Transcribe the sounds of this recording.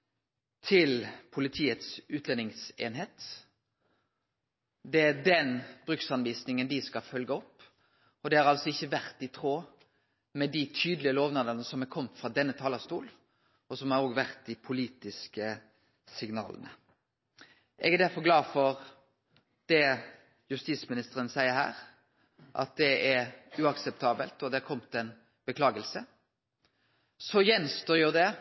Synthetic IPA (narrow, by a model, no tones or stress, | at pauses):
t̪ʰɪlpʰʊlɪt̪ʰiːət̪sʉːt̪lɛnɪŋsḛːnɦeːt̪ | d̪ɛæd̪ɛnbɾʉksɑnʋiːsnɪŋənd̪ɪskɑfœlɡəɔpː | ɔd̪ɛhɑɾɑlsɔɪçːəʋæɾt̪ɪt̪ʰʁoː | mɛd̪ɪt̪ʰyːd̪lɪəloːʋnɑːd̪ənəsɔmækʰɔmt̪fɾɑd̪ɛnːət̪ʰɑːləɑst̪uːl | ɔsɔmæɾoːɡʋæʁt̪̚d̪ɪpʰʊliːt̪ɪskə | sɪɡnɑ̰ːlə̰nə̰ | ʔɛɡæd̪æɾfɔɾɡlɑːfɔɾ | d̪̥ɛ | jʉst̪iːsmɪnɪst̪əɾənsæɪəɾhæ̰ːɾ | ʔɑ̰t̪̚d̪ɛæɾʉɑksɛp̚t̪ʰɑːbəlt̪ɔd̪ɛæɾkʰɔmːət̪ɛn | b̥əkʰlɑːɡəlsə | sɔjɛnst̪oːjʊd̪ɛ